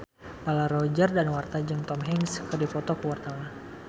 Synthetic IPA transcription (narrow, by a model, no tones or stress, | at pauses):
lalaɾɔd͡ʒərdanwart̪ad͡ʒəŋt̪ɔmɦɛŋskərdipɔt̪ɔkəwart̪awa